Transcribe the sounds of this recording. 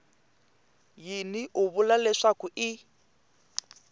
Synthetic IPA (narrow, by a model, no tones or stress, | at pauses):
jinɪʔʊβʊlalɛʂakʊɪ